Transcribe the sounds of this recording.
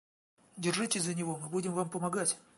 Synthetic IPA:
dʲɪrʐɨtʲɪzənʲɪvo̞mɨbudʲɪmvampəmɐɡatʲ

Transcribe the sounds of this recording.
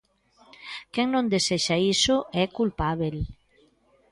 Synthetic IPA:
kɛŋnõnd̪eseʃaisoʔɛkulpaβel

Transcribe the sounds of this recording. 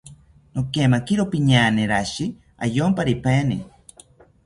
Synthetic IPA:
nokemakiɾopiɲaːneɾaʃi | a̰joːmpaɾipeːni

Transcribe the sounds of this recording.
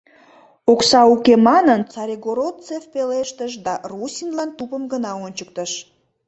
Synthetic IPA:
oksɑukemɑnənt͡sɑɾʲeɡoɾot̪t͡sefpeleʃt̪əʃ̬d̪ɑrusʲinlɑnt̪upəmɡənɑonʲt͡ɕək̚t̪əʃ

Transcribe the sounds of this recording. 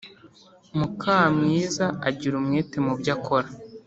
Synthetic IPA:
mukʰaːmŋiːzaaɟiɾumŋeːtemubɟakʰoɾa

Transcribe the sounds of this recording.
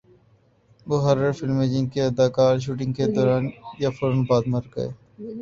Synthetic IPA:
bʊɦəɾəɾfɪlmeːd͡ʒɪ̃ŋɡkeɐd̪aːkaːɾʃ̬uːʈɪ̃ŋɡked̪ɔːɾaːnjafoɾonbaːd̪məɾɡɐ̰ḛː

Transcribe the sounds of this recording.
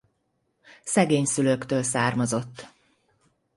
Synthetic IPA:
sɛɡeːɲsyløkt̪øːlsaːrmozo̞t̪ː

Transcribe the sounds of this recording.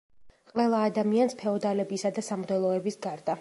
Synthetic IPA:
qʼʋɛlˠaːd̪amianspʰɛɔd̪alɛbisad̪asamd̪ɛlˠɔɛbisɡaɾd̪a

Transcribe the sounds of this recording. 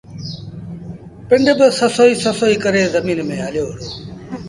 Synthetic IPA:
pɪɳɖbɪsəsoːiːsəsoːiːkəɾeːzəmiːnmẽːɦəljoːɦəɽoː

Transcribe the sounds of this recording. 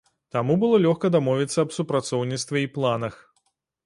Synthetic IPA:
t̪amubɨlˠɔlʲɔxkɐd̪amɔvʲit̪sːɐːbsupɾat̪sɔwnʲit̪st̪vʲɛiplˠanɐx

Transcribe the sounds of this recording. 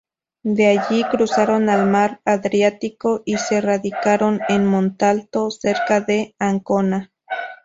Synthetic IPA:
d̪eaʝikɾusaɾonalmaɾaðɾjat̪ikoʔiseraðikaɾonenmont̪alt̪oseɾkaðe̞aŋkona

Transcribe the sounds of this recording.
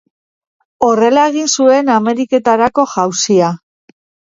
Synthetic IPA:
o̞re̞lae̞ɣ̞insue̞name̞ɾike̞t̪aɾako̞ʝawsia

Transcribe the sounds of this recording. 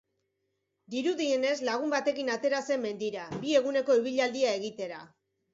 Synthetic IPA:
d̪iɾuðie̞ne̞zlaɣ̞umbat̪e̞kinat̪e̞ɾase̞mːe̞nd̪iɾabie̞ɣune̞ko̞iβ̞iʎald̪iaeɣit̪e̞ɾa̰

